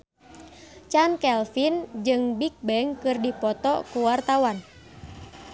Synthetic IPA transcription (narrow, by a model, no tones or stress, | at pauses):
t͡ʃankɛlfind͡ʒɨŋbik̚bɛŋkɨrdipɔt̪ɔkuwart̪awan